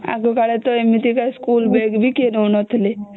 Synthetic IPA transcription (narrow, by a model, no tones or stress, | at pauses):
a̰ɡɔkaɭet̪ɔemit̪ikaskuːlbeɡbʱikenəʋnɔt̪ʰle